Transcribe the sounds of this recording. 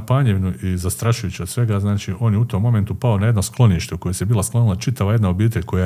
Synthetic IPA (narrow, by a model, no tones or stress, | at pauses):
paːɲeʋinuʔizast̪ɾaʃujut͡ɕiod̪sʋe̞ɡaznaːt͡ʃiʔo̞ːnjeut̪o̞mːo̞me̞nt̪upaonaje̞d̪nosklˠo̞niʃt̪euko̞jesjebiːlˠasklˠonilˠat͡ʃit̪aʋaje̞d̪nao̞biːt̪eʎʲko̞ja